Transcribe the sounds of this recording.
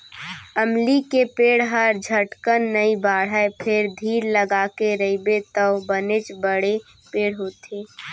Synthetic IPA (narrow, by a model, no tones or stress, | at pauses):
əmlikepeːɽ̤ɦəɾd͡ʒʱəʈkənːəibaːɽ̤əpʰɪɾd̪ʱiːɾləɡaːkeɾəɪbet̪əʊbənɪt͡ʃbəɽe | peːɽɦoːt̪eː